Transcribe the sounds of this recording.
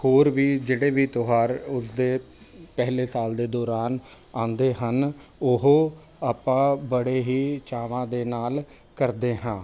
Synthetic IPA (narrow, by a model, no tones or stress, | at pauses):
hoːɾʋiːd͡ʒeːɽeːbiːt̪oɦaːɾʊsd̪eː | pɛɦleːsaːld̪eːd̪ɔːɾaːn | ãːnd̪eːɦənʊɦoː | aːpãːbəɽeːɦiːt͡ʃaːʋãːd̪eːnaːl | kəɾd̪eːɦãː